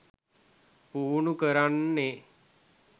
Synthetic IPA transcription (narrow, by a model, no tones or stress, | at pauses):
puːnukəɾanːe